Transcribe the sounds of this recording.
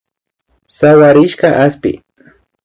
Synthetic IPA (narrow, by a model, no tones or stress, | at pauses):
saɢaɾɪʃkaʔaspɪ̰